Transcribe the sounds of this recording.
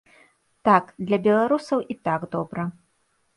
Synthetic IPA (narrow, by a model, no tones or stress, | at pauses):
t̪akd̪lʲɐbʲɛlˠaɾusɐwʔit̪aɡd̪ɔbɾɐ